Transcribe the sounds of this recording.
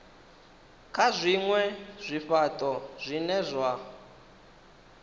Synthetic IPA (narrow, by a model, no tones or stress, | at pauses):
kʰazʷiŋwɛz̥ʷiɸatʼɔz̥ʷinɛzʷa